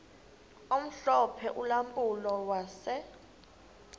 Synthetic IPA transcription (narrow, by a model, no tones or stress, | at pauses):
om̩ɬɔpʰɛʔulampʼulɔwasɛ